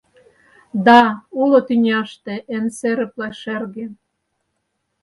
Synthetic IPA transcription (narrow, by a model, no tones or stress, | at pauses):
d̪ɑulot̪ynʲɑʃt̪ĕʔenseɾɘ̆plɑʃerɣen